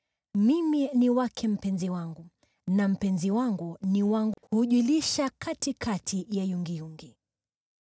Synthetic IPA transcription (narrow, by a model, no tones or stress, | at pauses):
miminiwakʰɛm̩pɛnziwaŋɡu | nam̩pɛnziwaŋɡuniwaŋɡhuʄuliʃakʰatikʰatʰijajuŋɡijuŋɡi